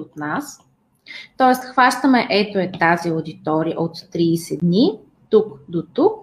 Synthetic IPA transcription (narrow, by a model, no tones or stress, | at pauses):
ot̪nas | t̪ɔɛst̪xvaʃt̪əmɛʔɛt̪oɛt̪aziod̪it̪ɔɾiə̰ʔot̪ːɾiːsɛd̪ni | t̪ukd̪ot̪uk̚